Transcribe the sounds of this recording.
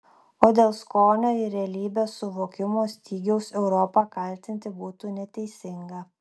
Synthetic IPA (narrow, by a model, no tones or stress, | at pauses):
oːd̪ʲeːlˠskoːnʲoːɪɾʲɛɐlʲiːbʲeːsʊʋoːkʲɪmoːsʲt̪ʲiːɡʲɛʊsɛʊɾɔpɑkɐˑlʲt̪ʲɪnʲt̪ʲɪbuːt̪uːnʲɛt̪ʲɛɪsʲɪŋɡɐ